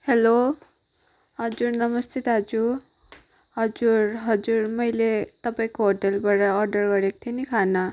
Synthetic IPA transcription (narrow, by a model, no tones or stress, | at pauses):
helo | ɦʌd͡zurnʌmʌst̪ʰit̪ɦʌd͡zu | ɦʌd͡zuɾɦʌd͡zurmʌjlet̪ʌpaĩkoɦoʈelbaɾʌːɾɖʌrɡʌɾekt̪ʰenikʰanʌ